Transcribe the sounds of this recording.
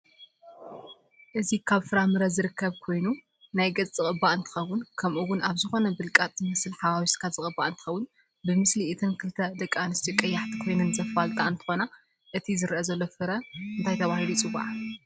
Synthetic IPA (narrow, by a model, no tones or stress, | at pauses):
ʔɨzikʰaβfɨɾamɨɾɐzɨɾɨkʰːɐβkʰo̞jnu | najɡɐt͡sːʼɨkʼɨbːaʔɨnt̪ʰɨ̥xɐwːʊnkʰɐmʔuwʊnaβzɨxo̞nɐbɨlkʼat̪ʼmɐsɨlħaβawiskʰaz̥ɨkʼɨbːaʔɨnt̪ʰɨ̥xɐwʊn | bɨmɨsliʔːt̪ʰɨnkʰɨlt̪ʰɐd̪ɐkʼːanɨst̪ʰikʼːɐjːaħt̪ʰi̥kʰo̞jnɨnzɐfalt̪ʼaɨnt̪ʰɨ̥xo̞na | ʔɨt̪ʰizɨɾʔɐzɐlːofɨɾɐɨnt̪ʰajt̪ʰɐβahilut͡sʼɨβaʕʔa